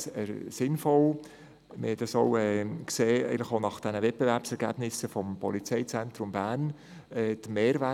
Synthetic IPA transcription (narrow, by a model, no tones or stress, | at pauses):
sɛ̰ɾsɪnfɔl | mɪhɛdɑsoʊɛːkseːɛ̰ɪɡənlɪχonɑχd̥ɛnəvɛt̚pevæɾpsɛɾɡæ̰bnɪsəfɔmpɔ̰lit͡sɛɪt͡sɛnt̪ɾʊmbæːɾn | ɛːd̪̥əmeːɾʋæ